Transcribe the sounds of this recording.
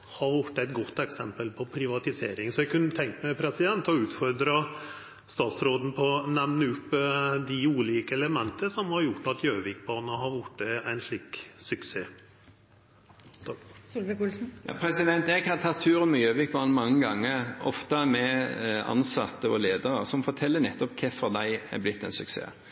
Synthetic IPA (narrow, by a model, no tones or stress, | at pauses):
hɑɾʋjʊʈːæɪt̪ɡɔt̪ːɛksɛmpəlpʰɔpʰɾɪʋɑt̪ɪseːɾɪŋsɔɛɡkʰʉnːət̪ʰɛŋk̪mɛpʰɾɛsɪd̪ɛnt̪ɔʉːt̪fɔɾd̪ɾɑ | st̪ɑːt̪sɾoːd̪n̩pʰɔnɛʋnəʉpːd̪ɪuːliːkəɛləmɛnt̪ʰəsɔmhɑɾjʊʈːɑt̪jøːʋɪk̚bɑːnəɦɑɾʋʊʈːəæɪnʂɭiːksʉkseː | sʊlʋəkʊlsn̩jʔɑ̰ːpʰɾɛsɪd̪ɛnt̪ɛɡhɑɾt̪ʰɑt̪ʰːʉːɾənmɛjøːʋɪk̚bɑːnəmɑŋːəɡɑŋːəʁɔ̰ft̪əmɛɑ̰nsɑt̪ːəɔleːd̪əʁəsɔmfɔt̪ʰɛlːənɛt̪ːɔpkʰɛfɔd̪æɪæ̰blɪt̪ːɛɪnsʉksḛː